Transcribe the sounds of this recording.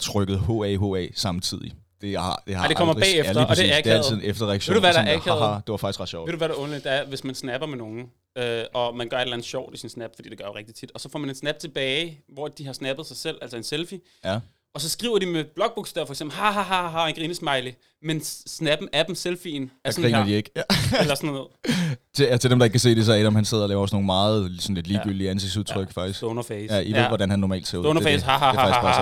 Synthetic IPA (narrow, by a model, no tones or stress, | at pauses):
t͡sʰʁœɡ̥əð̩ˠho̰ɛɦo̰ɛ̰sɑ̈mt͡sʰið̰ˠi | d̥e̝ɑ̰d̥eɑde̝kɒ̽m̰ɐ̥̰ːefɐɒd̥e̝æɐkeælð̩ˠið̩̰ˠefd̥ɐʁɛaɡ̥ɕo̰eduuʋæɾ̥ɑʔæɐɛðˠd̥e̝ʋɑ̈fɡ̥isɡ̥ɑ̈d̥ɕɒ̰ʊ̰ʋed̥uʋæɾɑʔɔ̽nled̥eæɐʋe̝smænsnæb̥ɐmeno̝ːŋn̩ | øɒ̽mænɡ̥ɶɐe̝dɾlænð̩ˠɕɒʊ̰desinsnæb̥fɒd̥ḭːd̥e̥ɡɶɐoʁeɡ̥̚d̥i̥t͡sʰid̥ɒ̽sɒfɒ̰mæned̥snæb̥̚t͡sʰe̝b̥ɛːɪʋɒæd̥iɦɑ̈snæb̥ð̩ˠsɑ̈ɪsel̰æl̰sɐe̝nselfi | ɒ̽sɒ̽sɡ̥ʁḭʊ̰ɐdimeb̥lɒ̽ɡ̥̚b̥uɡ̥sd̥æɐfɒ̽eɡ̥semb̥lhɑɦɑɦɑɦɑe̝nɡ̥ʁiːnəsmɑ̈ɪlə | mensnæb̥n̩æd̥m̩selfinæɐsʁḭːnɐd̥ie̝ɡ̥elɐsɒnoð̰ˠt͡sʰe̝t͡sʰe̝d̥emd̥ɑ̈eɡ̥̚kʰæse̝̰ːd̥e̝s̬ɒæɾɒ̽mhænse̝ð̰ˠɐlɛːʊɐɒsno̝ːŋn̩mɑ̈ːð̩ˠsɒ̽n̩le̝d̥liːɡyl̰d̥iəænseɡ̥suðˠt͡sʰʁœɡ̥fɑ̈ɡ̥̚isɡ̥donɐfɛːjæʔiʋe̝ðˠʋɒɾænhænːɒmɛ̰ːld̥sḛʊoʊnɐfɛshɑɦɑ̥